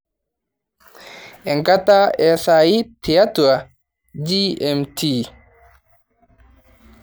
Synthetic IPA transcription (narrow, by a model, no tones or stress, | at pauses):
ʔɛŋkataɛsajitijatua | d͡ʒiɛmti